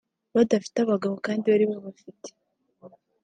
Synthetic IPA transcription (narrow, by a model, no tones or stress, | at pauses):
βadafi̥taβaɡaβo̞kaːndiβaɾiβaβafite̥